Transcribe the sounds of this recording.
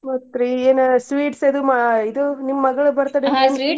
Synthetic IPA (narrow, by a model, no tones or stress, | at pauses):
mɐt̪ɾieːnsʋiːʈsɐd̪umɐid̪unimːɐɡɐɭubɐɾt̪aːɽenɐi